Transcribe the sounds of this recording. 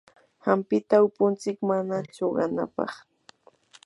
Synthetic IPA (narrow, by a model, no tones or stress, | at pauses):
hampɪt̪aʊpʊnt͡sɪkmanat͡ʃoɢɑna̰pɑ̰χ